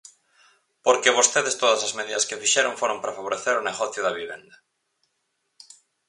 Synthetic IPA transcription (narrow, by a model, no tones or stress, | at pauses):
poɾkeβ̞ost̪eðest̪oðɐsɐzmeðiðɐskefiʃeɾõŋfoɾõmpɾafaβ̞oɾeθeɾʊneɣɔθjʊðɐβiβḛnd̪ɐ